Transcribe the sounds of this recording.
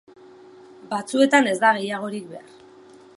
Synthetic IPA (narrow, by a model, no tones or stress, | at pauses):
bat͡sue̞t̪ane̞zd̪aɣ̞e̞jaɣ̞o̞ɾik̚be̞a̰r